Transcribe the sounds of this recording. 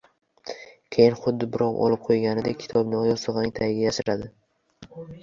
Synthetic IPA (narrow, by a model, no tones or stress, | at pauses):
kʲʰe̞jɪnχʊd̪ːɪbɪɾɒwɒ̰lˠɪp̚qʰojɡʲanɪd̪ekʲʰɪ̥t̪ʰɒbnɪɒjɒsɨʁɨnɪŋt̪ʰajɪɡʲajaʃɪɾad̪ɪ